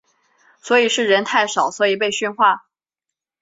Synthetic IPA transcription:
swɔ˧˥i˨˩ʂɻ̩˥˩ɻə˧˥nt̪ʰa˥˩ɪʂɑ˨˩ʊswɔ˧˥i˨˩p̬e˥˧ɪɕy˥˧nxwa˥˩

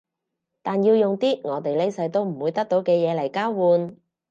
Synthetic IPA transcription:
t̪aː˨njiː˧wjʊ˨ŋt̪iː˥ŋɔː˨˧t̪e˨jle˥jsɐ˨˧˥jt̪o˥wm̩˨˩wuː˨˧jt̪ɐ˥k̚t̪o˨˥wkɛː˧jɛː˨˧lɐ˨˩jkaː˥wwuː˨˧n

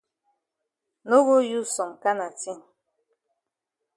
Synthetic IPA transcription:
no˦ɣu˦ju˦sɔ˨ŋ˨ka˦na˨ti˦ŋ

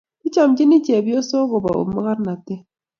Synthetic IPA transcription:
i˦t͡ʃa˨md͡ʒɪ˦ni˦t͡ʃe˨bjo˦so˦ɣo˨ba̰˨o̰˨mə˦ɣa˦ɾna˨tɪ˦

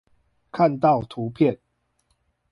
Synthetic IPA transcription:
kʰa˥˨nt̪ɑ˥˨ʊt̪ʰu˨˦pʰjɛ˥˨n

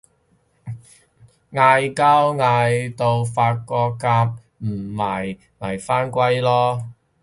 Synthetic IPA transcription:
ŋaː˧jkaː˥wŋaː˧jt̪o˧wfaː˧t̚kɔː˧kaː˧˥p̚ | m̩˨˩mɐ˨˩j | ŋɐ˨˩jfaː˥nkʷɐ˥jlɔː˥

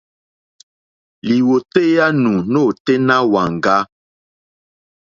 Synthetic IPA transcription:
li˨wo˨te˦ja˦nũ˨no˦˨te˦nã˦wa˨ŋ˨ɡa˦

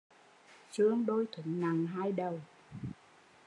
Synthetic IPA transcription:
t͡ɕɨ˧əŋɗo˧jt̪ʰwə˧˩˦nna˨˩ŋɦaː˧jɗə˨˩w

